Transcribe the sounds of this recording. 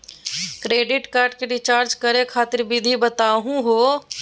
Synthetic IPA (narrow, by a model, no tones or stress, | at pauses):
kɾeːɖɪʈkaːɾɖkeɖɪt͡ʃaːɾd͡ʒkəɾẽkʰaːt̪ɪɾbʱɪd̪ʱibɐt̪aːɦũɦoː